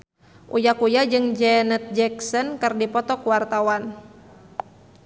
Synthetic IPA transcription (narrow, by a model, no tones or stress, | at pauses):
ʔujakujad͡ʒɨŋd͡ʒɛnət̪̚d͡ʒɛksɔnkɨrdipɔt̪ɔkuwart̪awan